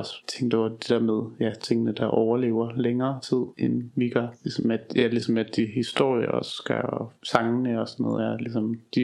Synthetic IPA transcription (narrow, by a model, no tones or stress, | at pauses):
ɒst͡sʰeŋ̰ɡ̥d̥ed̥e̝d̥æɐmeð̞ˠjæt͡sʰe̝ŋ̰ənəd̥ɑ̈ʔɒʊɐle̝̰ːʊɐleŋɐːt͡sʰið̰ˠenʋiɡ̥ɐlisɒmæ̥jælisɒ̽mæd̥ihisd̥o̝ɐ̰jəɒsɡ̥æɒsɑ̈ŋənəɒsɒnːɔ̰ːð̩ˠæɐlisɒ̽md̥i